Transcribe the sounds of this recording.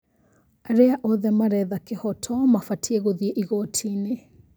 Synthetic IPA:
aɾɛaʔɔðɛmaɾɛðakɛhɔtʰɔmafatʰiɛɣɔðiɛʔiɣɔtʰinɛ

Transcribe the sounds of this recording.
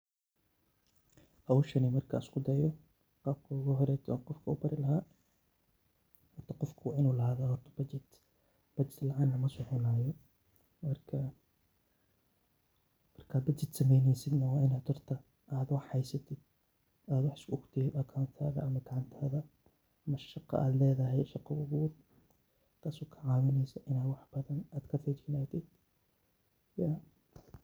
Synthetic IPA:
ɐwʊʃɐnimɐrkʰɐɪskʰʊd̪ɐjɔ | qɑːb̚kʰɐʊɣɐɦɔɾɛt̪ʰɔqɔfkʰɐṵːbɐɾɪlɐɦaː | hɔrt̪ʰɐqɔfkʰɐwɑːɪnuːlɐaːðaːhɔrt̪ʰɐ̥bɐt͡ʃɛt̪ | b̥ɐd͡ʒɛd̪lɐʕaːnɐmɐsɔħɔnaːjɔ | mɐrkʰɐ | mɐrkʰaːd̪bɐd͡ʒɪt̪sɐmɛjnɛjsɪd̪nɐwaʔɪnat̪ʊɾt̪ʰɐ | ʔaːd̪wɑħajsɐt̪ɪd̪̚ | ʔaːd̪wɑħskʊʔʊkt̪ɪdakʰaːnt̪ʰaːðaʔɐmːat̪ʰʕant̪aːða | ʔmɐʃːɑqːɑ̰ʔa̰ːd̪lɛːðɐɦɛjʃɑqːɑwʊɡuːd̪̚ | k̪asʊkʰaʕaːwɪnɛjsɐʔɪnaːwɑħb̥ɐðɐnaːd̪kʰɐfɛd͡ʒɪnaːt̪ɪd̪ | ja

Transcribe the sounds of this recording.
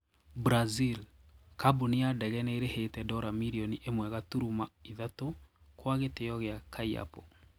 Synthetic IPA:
bɾazil | kabuniadɛɣɛnɛeɾehetɛdɔɾamiɾiɔniʔemwɛɣatuɾumaiðatokwaɣetejɔɣeakʰaia̰pɔ

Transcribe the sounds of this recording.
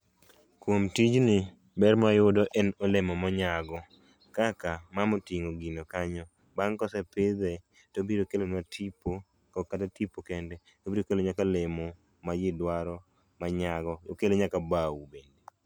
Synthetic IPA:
kwomtid͡ʒnɪ | bɛrmajʊdɔʔɛnolemɔmɔɲaɡɔ | kakamamotiŋoɡinokaɲɔ | baŋkɔsɛpɪd̪ɛ | tobiɾokelonatʰipo | kɔkatatipokɛndɛ | tobiɾokeloɲakalemɔ | majɪdwaɾɔ | maɲaɡɔjokeloɲakabawubende

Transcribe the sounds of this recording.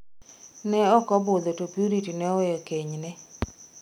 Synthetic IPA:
nɛɔkɔbʊd̪otopjuɾitinɛɔjɔkeɲnɛ

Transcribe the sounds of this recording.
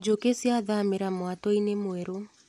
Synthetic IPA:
d͡ʒokesjaðameɾamwatɔinemwɛɾo

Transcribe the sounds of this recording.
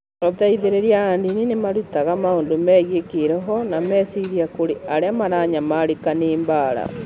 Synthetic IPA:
oðaiðeɾeɾjaandininemaɾutaɣamaondomɛːɣiekiɾɔɦɔnamɛsiɾiakoɾiʔaɾeamaɾaːɲamaɾikaneːmbaːɾa̰

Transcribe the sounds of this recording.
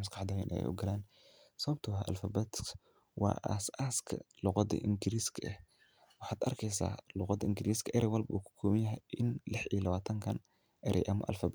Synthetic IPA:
mʊskɑħd̪ɐːjɛ̰nʔɛ̰jɛ̰jʔʊ̰ɡɐlaːn | sɐβɐb̚t̪ʰʊɐʔɐ̰lfɐbɛt̪k | wɑ̰ːʔa̰saːskʰɐ̰lʊqɑd̪ɐ̰ʔɪŋɡɪɾiːskʰɐʔɛh | wɑħɑːd̪ɐrkʰɛjs̬a̰ːlʊqɑd̪ɐɪŋɡɪɾiːskʰɐʔɛɾɛwɑlbɐuːkʰʊ̥kʰuːmɐnjɐɦɛjɪnlɪħiːlɐβaːt̪ʰɐŋkʰɐn | ʔɛɾʔɛ̰jʔɐmɐ̰ʔɐ̰lfɐb

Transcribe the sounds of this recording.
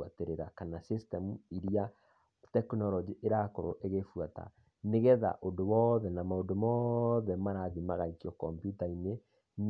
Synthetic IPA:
ateɾeɾakanasistɛmuiɾia | tɛknɔlɔd͡ʒiʔeɾakoɾoʔeɣefwata̰ | neɣɛða̰ʔondowɔðɛnamaondomɔðɛmaɾaðimaɣaikiɔkɔmpjutaine | n

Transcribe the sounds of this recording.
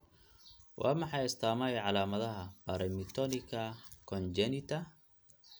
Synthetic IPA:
wʔɑ̰ːmɑħɑjɪst̪ʰaːmɐjʕɑlaːmɐðɐɦɐbaɾɛmɪt̪ʰɔnɪkʰɐkʰɔnd͡ʒɛnɪt̪ʰɐ

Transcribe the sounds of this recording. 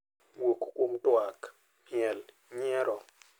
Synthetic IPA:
wokkomtwak | miɛl | ɲɛɾɔ

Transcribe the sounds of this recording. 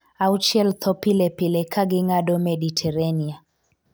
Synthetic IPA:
awt͡ʃɛlt̪ʰɔpilɛpilɛkʰaɡiŋaɗɔmeɗitʰɛɾania

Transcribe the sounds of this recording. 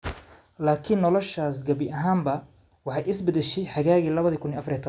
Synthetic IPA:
laːkʰɪnːɔlɔʃaːsɡɐβɪʔɐɦaːmbɐ | wɑħɑjɪsbɐðɛʃɛjħɑɣaːɣiːlɐβɐðikʰʊniɐfrjɛt̪ʰ

